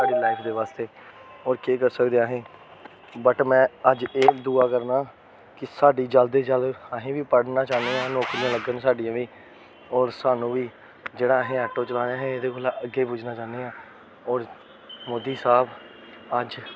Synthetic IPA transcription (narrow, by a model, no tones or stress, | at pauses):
saːɖeːlaːɪpʰd̪eːʋaːst̪eː | ɔːɾkeːkəɾsəkd̪eːaːɦẽː | bəʈmɛ̃ːəd͡ʒeːd̪uːaːkəɾnaː | kɪsaːɖiːd͡ʒəld̪eːd͡ʒələɦẽːʋiːpəɽnaːt͡ʃaːnd̪eːãːnoːkɾɪjãːləɡənːsaːɖijãːʋiː | ɔːɾsaːnũːʋiː | d͡ʒeːɽaːəɦẽːɛːʈːoːt͡ʃəlãːɾaːɦẽːed̪eːkoːlaːəɡːeːpʊd͡ʒnãːt͡ʃãːnd̪eːãː | ɔːɾ | moːd̪iːsaːb | əd͡ʒ